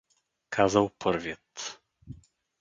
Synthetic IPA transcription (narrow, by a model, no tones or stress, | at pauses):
kʰazawpʰɔɾvʲjɛt̪